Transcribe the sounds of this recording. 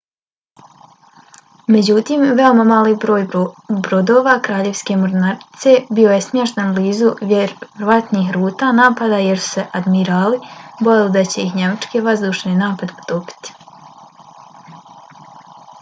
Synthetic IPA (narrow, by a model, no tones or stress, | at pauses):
me̞d͡ʑut̪iːmʋe̞o̞mamaːliːbɾo̞ːjbɾod̪o̞ːʋakɾaːʎe̞ʋske̞moɾnaɾt̪se̞bio̞jesmʲjeʃt̪anbliːzujeɾɾʋat̪niːxɾuːt̪aːnaːpad̪aːjeɾsu̥se̞ʔad̪miɾaːlibo̞jelid̪at͡ɕe̞içɲe̞mat͡ʃkeʋazd̪uːʃninaːpad̪pu̥t̪opi̥t̪i̥